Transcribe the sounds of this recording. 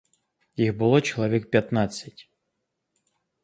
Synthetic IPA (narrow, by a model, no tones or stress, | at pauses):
jixbɨlˠɔt͡ɕɪlˠɐvʲɛk̚pʲat̪nat̪sɨtʲ